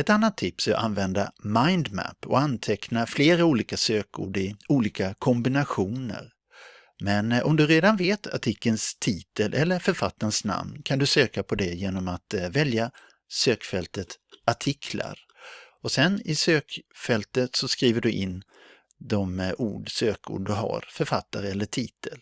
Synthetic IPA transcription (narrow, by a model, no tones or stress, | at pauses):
ɛt̪anːat̪ʰːɪpsæɾʔa̰nvɛnd̪amaɪnd̪mæ̰pːɔ̰ant̪ʰɛknafleːɾauːliːkasøːkṵːɖɪuːliːkakʰɔmbɪnaɧuːnə̰ɾ | mɛnɔ̰md̪ɵɾeːd̪anveːt̪ʰa̰ʈʰɪkːənst̪ʰiːt̪əlʔɛlːəɾfœɾfat̪ːansna̰mnkʰand̪ɵsøːkapʰɔd̪ɛjeːnɔmat̪vɛlja | søːkfɛlt̪ət̪aʈʰɪkʰla̰ɾ | ɔsɛnɪsøːkfɛlt̪ət̪sɔskɾiːvəɖɵʔɪnː | d̪ɔmṵːɖsøːkʰʊ̰ɖɵɦa̰ɾfœɾfat̪ːaɾəɛlːəʈʰiːt̪ʰəl